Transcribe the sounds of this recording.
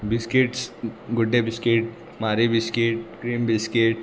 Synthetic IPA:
bɪskeʈsɡʊɖɖebɪskeʈ | maːɾibɪskeʈkɾiːmbɪskeʈ

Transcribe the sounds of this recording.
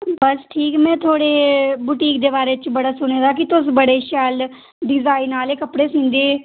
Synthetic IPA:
bəsʈʰiːkmɛ̃ːt̪ʰoːɽeːbʊʈiːkd̪eːbaːɾeːt͡ʃbəɽaːsʊñeːd̪aːkɪt̪ʊsbəɽeːʃɛːl | ɖɪzaːinaːleːkəpɽeːsĩːnd̪eː

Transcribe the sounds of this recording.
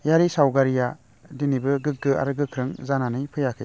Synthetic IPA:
jaɾisawɡaɾija | dinibɯɡɯk̚ɡɯa̰ɾɯɡɯkʰɾɯŋzananɯjpʰɯjakʰɯ̰j

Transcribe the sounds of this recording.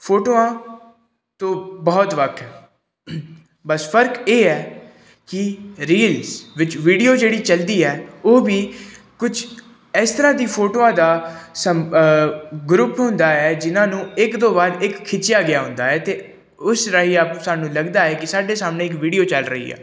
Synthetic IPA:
pʰoːʈoːãː | t̪õːbɔːt̪ʋəkʰɛː | bəsfʰəɾkeːɛː | kɪɾiːlsʋɪt͡ʃʋiːɖijoːd͡ʒeːɽiːt͡ʃəld̪iːɛːoːbiː | kʊd͡ʒ | ɛːst̪əɾãːd̪iːpʰoːʈoːãːd̪aːsə | ɡɾʊpɦʊ̃nd̪aːɛːd͡ʒɪnãːnũːɪkd̪õːbaːɾɪkʰːɪt͡ʃːɪjaːɡɪjaːɦʊ̃nd̪aːɛːt̪eː | ʊsɾaɦiːapsaːnũːləɡd̪aːɛːkɪsaːɖeːsaːmnẽːɪk̬ʋiːɖijoːt͡ʃəlɾəɦḭːɛ̰ː

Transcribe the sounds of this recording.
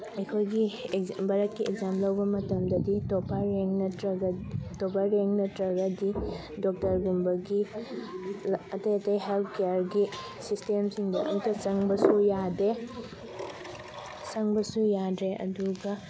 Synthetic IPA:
ɐjkʰojɡibɐɾɐtkːiekzamlɐwbɐmɐtɐmdɐditopʰaɾeŋnɐtɾɐɡtopaɾeŋnɐtɾɐɡɐdi | dok̚tɐɾɡumbɐɡi | ɐtɐjɐtɐjɦelt̚ʰkejaɾɡi | sistemsiŋdɐʔɐ̰ŋtɐsɐŋbɐsujade | sɐŋbɐsujadɾeʔɐ̰duɡɐ

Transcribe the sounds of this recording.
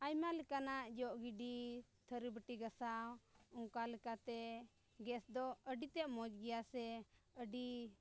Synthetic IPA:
ajmalɛkanaʔd͡ʒɔʔɡiɖit̪ʰəɾibəʈiɡasawɔŋkalɛkat̪ɛ | ɡɛsd̪ɔəɖit̪ɛʔmɔd͡ʒɡɛjasɛəɖi

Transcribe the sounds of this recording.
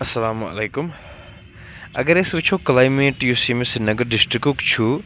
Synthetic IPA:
ɐsɐlaːmɐ̰leːkʊm | ɐɡɐɾesbit͡ʃʰoklaːjmeːʈjusimẽsinːɐɡɐɾɖɪsʈɾikukt͡ʃʰu

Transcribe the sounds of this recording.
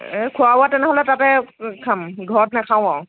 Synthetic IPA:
ɛkʰʊawatɛnɛɦɔlɛtatɛkʰamɡʱɔɹɔt̚nɛkʰaw̃ɔ

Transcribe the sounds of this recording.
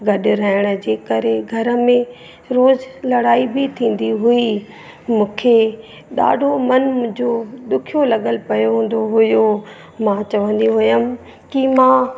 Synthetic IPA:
ɡʱɐɗ̆ɾɐɦɪɽ̃ə̆d͡ʑeːkɐɾeɡʱɐɾə̆mẽ | ɾoːzlɐɽaːibʱit̪ʰĩːn̆d̪iɦui | mũːkʰe | ɗa̰ːɖʱomɐnmʊ̃ɦɪ̃d͡ʑod̪ʊkʰijolɐɠəlpɐjoɦũːn̆d̪oɦʊjo | mãːt͡ɕɐʋə̃nd̪iɦʊjəm̆ | kimãː

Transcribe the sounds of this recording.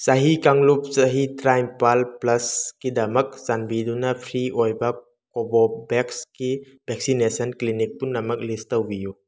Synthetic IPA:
saɦikaŋlup̚saɦitɾajmpalplɐskidɐmɐk̚zanbidunɐpʰɾiʔojbɐ | kobɔbekski | bʱek̚sinesɐnklinik̚punːɐmɐk̚listɐwbiju

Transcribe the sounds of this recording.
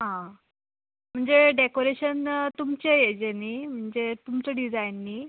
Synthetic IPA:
ɦã | m̤əɳd͡zeɖekoɾeɕənt̪umt͡ɕejed͡ʑenim̤əɳd͡zet̪umt͡səɖid͡zajnːi

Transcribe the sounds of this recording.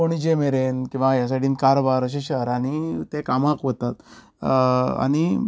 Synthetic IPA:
oɽ̃id͡ʑemeɾenkĩw̃ʋajas̬aʈiːnkaɾobaɾəɕ̬eɕəɾaɽ̃it̪ekamakʋət̪at̪ | a̰ñi

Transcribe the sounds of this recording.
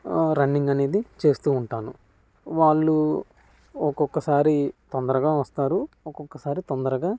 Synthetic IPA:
ɾɐnːiŋɡɐne̞ːd̪it͡ʃe̞ːst̪uːɳʈaːnu | ʋaːɭːu | ɔkɔkːɐsaːɾit̪ɔnd̪ɐɾɐɡaːʋɐst̪aːɾu | ɔkɔkːɐsaːɾit̪ɔnd̪ɐɾɐɡaː

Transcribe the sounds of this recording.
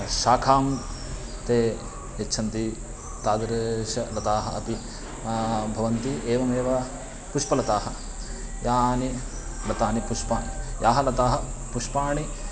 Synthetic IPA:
ʃaːkʰaːm | t̪eː | et͡ʃːʃʰɐnt̪i | t̪aːd̪ɐɾɐʃɐlɐt̪aːɦɐɐpi | bʱɐʋɐnt̪ieːʋɐmeːʋɐ | puʂpɐlɐt̪aːɦɐ | jaːni | lɐt̪aːnipuʃpaːnijʔaːɦɐlɐt̪aːɦɐpuʂpaːɳi

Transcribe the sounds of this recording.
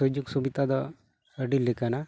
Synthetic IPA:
ɔd͡ʒuksubit̪ad̪ɔ | əɖilːekana

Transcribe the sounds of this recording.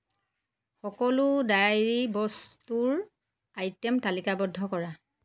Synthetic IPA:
xɔkɔlʊdajɹibɔstuɹ | ajtɛmtalikabɔdʱːɔkɔɹa

